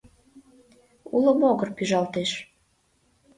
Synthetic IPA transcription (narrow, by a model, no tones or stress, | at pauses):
uləmoɣərpyʒɑlt̪eʃ